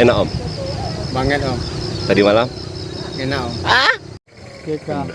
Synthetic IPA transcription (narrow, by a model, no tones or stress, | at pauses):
ɛnaʔɔm | baŋɛt̪ɔmt̪adimalamŋɛnaɔma | kek